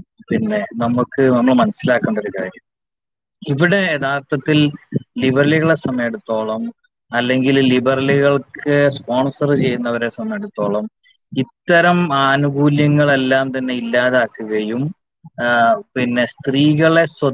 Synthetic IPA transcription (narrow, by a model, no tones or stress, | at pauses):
pinːe̞nɐmukːɨnɐmːɐɭmɐnɐsːilaːkːɐːɳɖo̞ɾukaːɾjɐm | iʋiɽe̞eðaːrt̪ʰɐt̪ːillibɐrɐliɣɐɭe̞sɐmɐjeɽut̪ːo̞ːɭɐm | ɐlːe̞ŋɡillibɐrɐliɣɐɭkɨspo̞ːɳsɐrɨt͡ɕe̞jːunːɐʋɐɾesɐmɐjeɽut̪ːo̞ːɭɐm | it̪ːɐɾɐmaːnuɡuːljɐŋːɐɭe̞lːaːmt̪ɐnːe̞ilːaːðaːkːuɣɐjum | pinːe̞st̪riːɣɐɭe̞swɐ